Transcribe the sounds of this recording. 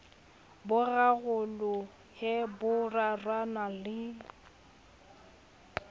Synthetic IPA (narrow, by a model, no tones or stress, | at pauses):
bʊɣaɣʊlʊ | hɪbʊrarwanalɪ